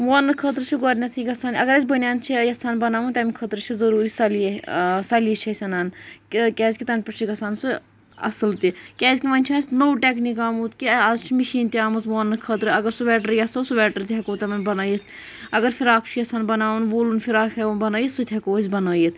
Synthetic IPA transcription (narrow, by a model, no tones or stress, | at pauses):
ʋoːnːɨkʰət̪ɾɨt͡ʃʰiɡoːɾʲnɐt̪ʰikɐsaːnɐɡɐɾɐzʲbɐnjaːnt͡ʃʰijɐsaːnbɐnaːʋunt̪ɐmikʰət̪ɾɨt͡ʃʰizɐɾuːɾisɐlsɐljit͡ʃʰɐsʲɐnaːnkkʲɛːzʲkʲit̪ɐnpɐt͡ʃʰikɐsaːnsɨ | ɐ̰sɨlt̪ikʲɛːzʲkʲimɐnʲt͡ʃʰaːsʲnowʈʲeknikaːmuːt̪kiɐzt͡ʃʰimiʃiːnt̪ʲiaːmɐzʋoːnːɨkʰət̪ɾɨɐɡɐɾsuʋɛːʈəɾjɐsoːsuʋɛːʈəɾt̪ʲɦɛkoːt̪ɐmɐnbɐnaːjit̪ʰ | ɐɡɐɾfʰiɾaːkʰt͡ʃʰijɐsaːnbɐnaːʋunʋoːlunfʰiɾaːkʰɐunbɐnaːjit̪sut̪ʲʰɦɐkoːzʲbɐnaːjit̪ʰ